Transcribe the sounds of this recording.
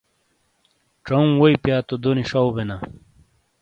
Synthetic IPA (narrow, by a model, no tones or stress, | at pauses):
ʈ͡ʂɐũwoipjaːt̪od̪oniʂawbena